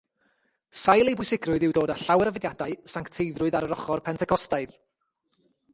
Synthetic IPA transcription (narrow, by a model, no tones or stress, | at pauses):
sajlˠejbʊjsɪɡrʊɨðɪwdoːdaɬawɛɾəvɪdjadaɨsaŋktʰejðrʊɨðaɾəɾɔχɔrpʰɛntʰɛkʰɔstajð